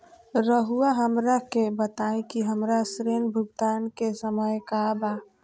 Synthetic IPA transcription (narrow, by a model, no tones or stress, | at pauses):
ɾəɦuaɦəmɾakebət̪aːẽkiɦəmɾasɾeːnbʱʊɡt̪aːnkesəməjkabaː